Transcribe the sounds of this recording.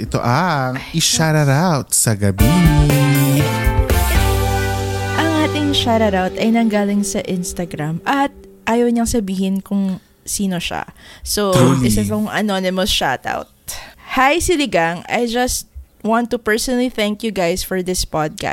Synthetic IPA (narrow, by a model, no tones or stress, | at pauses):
ʔɛt̪o̰ʔɐŋʔɪʃaɾɐɾawt̪sɐɡɐbi | ʔɐŋʔaːt̪ɪŋʃaɾɐɾawt̪ɐjnɐŋɡaːlɪŋsɐʔɪnst̪ɐɡɾamʔɐt̪̚ʔaːjɐwɲɐŋsɐbiːhɪnkʊŋ | siːnoʃa̰soɪsɐoŋʔɐ̰nonɪmɐsʃa̰t̪a̰wt̪̚hajsɪlɪɡaŋɐ̰jd͡ʒɐst̪̚ | wãnt̪ːupɛɹsɔnɐliθɛŋkjuɡajsfɔɹd̪ɪspad̪̚ka̰